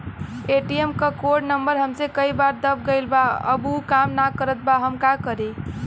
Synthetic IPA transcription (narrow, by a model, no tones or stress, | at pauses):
eʈiemkəkoɖnəmbəɾɦəmsekəibaɾd̪əb̚ɡəjlbaə̰bukamnakəɾət̪̚baɦəmkakəɾe